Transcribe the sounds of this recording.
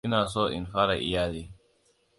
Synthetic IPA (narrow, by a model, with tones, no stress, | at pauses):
ɪ˦naː˨soː˦˨ʔɪ̰˨nɸaː˦ɽa˨ʔɪ̰˦jaː˦deː˦